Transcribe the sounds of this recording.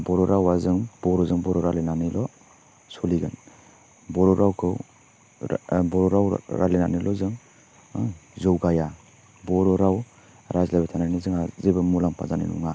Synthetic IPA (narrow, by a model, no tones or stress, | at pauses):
bɔɾɔɾawazɯŋb̥ɔɾɔzɯŋbɔɾɔɾalenanilɔ | sɔliɡɯn | bɔɾɔɾawkʰɯw | bɔɾɔɾaw̰ɾa̰lena̰nilɔzɯŋ | zɔwɡaja | bɔɾɔɾaw | ɾʔazlabitʰananizɯŋazibamulaŋpʰa̰zanḭnṵŋa